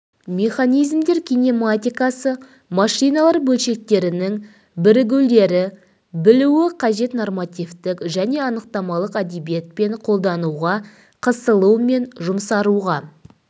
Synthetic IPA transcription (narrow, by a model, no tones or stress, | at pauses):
mʲe̞χanijzmd̪e̞ɾkʲʰinʲemat̪ʲijkɑsə | mɑʂijnɑlˠɑɾbɵlʃe̞k̚t̪e̞ɾɪnɪŋ | bɪɾɪɡʲɪwld̪e̞ɾɪ | bɪluwɪqʰɑʒe̞t̪normat̪ʲijft̪ɪkʒæne̞ɑnəq̚t̪ɑmɑlˠəqæd̪ebijet̪̚pe̞ɴqʰo̞lˠd̪ɑnuʁɑ | qʰəsəlˠəwme̞nʒʊmsɑɾuʁɑ